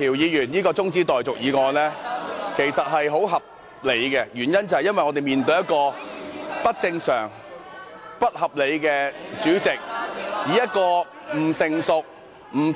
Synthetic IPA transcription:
iː˨˩wjiː˨˧jyː˨˩njiː˥kɔː˧t͡sʊ˥ŋt͡siː˥t̪ɔː˨jt͡sʊ˨k̚jiː˨˧kɔː˧nlɛː˥kʰe˨˩jsɐ˨t̚ɦɐ˨jɦo˨˥wɦɐ˨p̚ | le˨˧jkɛ˧jyː˨˩njɐ˥nt͡sɐ˨˩hɐ˨jɐ˥nwɐ˨jŋɔː˨˧e˨jmiː˨nt̪ɵ˧jɐ˥t̚kɔː˧ | pɐ˥t̚t͡sɪ˧ŋsœː˨˩ŋ | pɐ˥t̚hɐ˨p̚le˨˧jkɛː˧t͡ʃyː˨˥t͡sɪ˨k̚jiː˨˥jɐ˥t̚kɔː˧ | m̩˨˩sɪ˨ŋsʊ˨k̚ | m̩˨˩

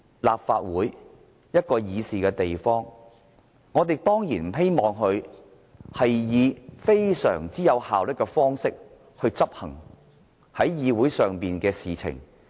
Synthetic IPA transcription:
la̰ː˨p̚faː˧t̚wuː˨˥j | jɐ˥t̚kɔː˧jiː˨˧siː˨kɛː˧t̪e˨jfɔː˥ŋ | ŋɔː˨˧t̪̬e˨jt̪ɔː˥ŋjiː˨˩nm̩˨˩ɦe˥jmɔː˨ŋɦɵ˧ɥ | hɐ˨jːiː˨˧fe˥jsœ̰ː˨˩ŋt͡siː˨˥jɐ˨˧whaː˨wlɪ˥kːɛ˧fɔː˥ŋsɪ˥k̚ | hɵ˧ɥt͡sɐ˥p̚hɐ̰˨˩ŋ | hɐ˨˥jjiː˨˧wuː˨˥jsœː˨ŋpiː˨nkɛː˧siː˨t͡sʰɪ̰˨˩ŋ

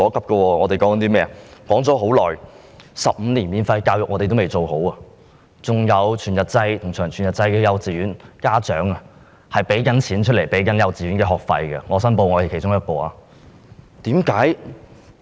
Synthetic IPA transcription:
ɔː˨˥kʰɐ˨p̚kɛ˧wɔː˧ŋɔ˨˧e˨jkɔː˨˥ŋkɐ˨˧nt̪i˥mɛː˥kɔː˨˥ŋt͡sɔː˨˥ɦo˨˥wlɔ̰ː˨j | sɐ̰˨p̚m̩ː˨˧niː˨˩nmiː˨˧nfɐ˧jkaː˧wjʊ˨ŋɔː˧te˨t̪o˥wme˨˩jt͡so˨who˨˥wa˧ | t͡sʊ˨ŋjɐ˨˧wt͡ʃʰyː˨˩njɐ˨˩t̚t͡sɐ˧jt̪ʰʊ˨˩ŋt͡ʃʰœː˨˩ŋt͡ʃʰyː˨˩njɐ˨˩t̚t͡sɐ˧jkɛː˧jɐ˧wt͡siː˨jyː˨˥nkaː˥t͡ʃœ̰ː˨˥ŋɐ˧ | hɐ˨jpe˨˥jkɐ˨˥nt͡sʰiː˨˥nt͡ʃʰɵ˥t̚le˨˩jpe˨˥jkɐ˨˥njɐ˨˧wt͡siː˨˩y˨˥nkɛː˧ɦɔː˨˩k̚fɐ̰˧jkɐ̰˧ŋɔː˨˧sɐ˥npo˧wŋɔː˨˧te˨˩kʰe˨˩jt͡ʃʊ˥ŋjɐ˥t̚kɔː˧a̰˧ | t̪iː˨˥mkaː˨˥j

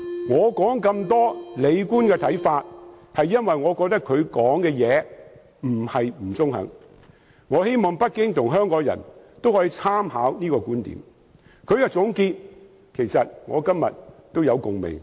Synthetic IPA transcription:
ŋɔː˨˧kɔː˨˥ŋkɐ˧mt̪ɔː˥le˨˧jkuː˥nkɛː˧t̪ʰɐ˨˥jfaː˧t̚hɐ˨jːɐ˥nwɐ˨jŋɔː˨˧kɔː˧k̚t̪ɐ˥kʰɵ˨˧ɥkɔː˨˥ŋkɛː˧jɛː˨˧ | m̩˨˩hɐ˨jm̩˨˩t͡sʊ˥ŋhɐ̰˨˥ŋ | ŋɔː˨˧he˥jmɔː˨ŋpɐ˥t̚kɪ˥ŋt̪ʰʊ˨˩ŋɦœː˥ŋkɔː˨˥ŋjɐ̰˨˩nt̪o˥whɔː˨˥jiː˧˥t͡sʰaː˥mɦaː˨˥wniː˥kɔː˧kuː˥nt̪ḭː˨˥m | kʰɵ˨˧ɥkɛ˧t͡sʊ˨˥ŋkiː˧t̚ | kʰe˨˩jsɐ˨t̚ŋɔ̰ː˨˧kɐ˥mjɐ̰˨t̚t̪o˥wjɐ˨˧wkʊ˨ŋmḛ˨˩ŋ

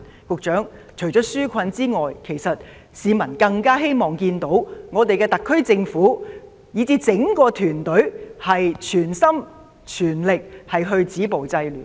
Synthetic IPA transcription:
kʊ˨k̚t͡ʃœː˨˥ŋ | t͡ʃʰɵ˨˩ɥt͡ʃɔː˨˥syː˥kʷʰɐ˧nt͡siː˥ŋɔː˨jkʰe˨˩jsɐ˨t̚ | siː˨˧mɐ˨˩nkɐ˧ŋkaː˥ɦe˥jmɔː˨˩ŋkiː˧nt̪o˨˥wŋɔː˨˧t̪e˨jkɛː˧t̪ɐ˨kʰːɵ˥ɥt͡sɪ˧ŋfuː˨˥ | jiː˨˧t͡siː˨˥t͡sɪ˨˥ŋkɔː˧t̪ʰyː˨˩nt̪ɵ˨˥ɥhɐ˨jt͡ʃʰyː˨˩nsɐ˥m | t͡ʃʰyː˨˩nlɪ˨k̚hɐ˨jɦɵ˧ɥt͡siː˨˥po˨wt͡sɐ˧jlyː˨˩

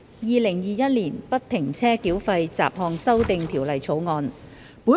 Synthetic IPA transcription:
jiː˨˧lɪ˨˩ŋjiː˨˧jɐ˥t̚liː˨˩npɐ˥t̚t̪ʰːɪ˨˩ŋt͡sʰɛː˥kiː˨˥wfɐ˧jt͡sa̰ː˨p̚hɔː˧ŋsɐ˥wt̪ɪ˨ŋt̪ʰiː˨˩wlɐ˨˩jt͡sʰo˨˥wŋɔː˧n | puː˨˥

